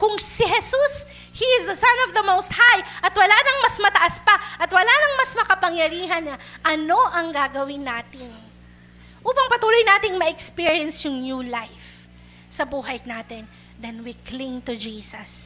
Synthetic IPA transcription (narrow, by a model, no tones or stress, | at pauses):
kʊŋsɪɦɛsus | hiɪzðɐsɐnɔvðɐmowst̪̚hajʔɐt̪wɐlaːnɐŋmɐsmɐt̪ɐʔaspɐʔɐt̪wɐlanɐŋmɐsmɐkɐpɐŋjɐɾiːɦɐnːɐʔɐno̞ʔɐŋɡaɡɐwɪnːaːt̪ɪŋ | ʔuːpɐŋpɐt̪uːlojnaːt̪ɪŋmɐʔɛkspiɹiɛnsjʊŋnjuːlajf | sɐbuːɦɐjnaːt̪ɪn | d̪ɛnwiklĩŋt̪ʊd͡ʒiːsɐs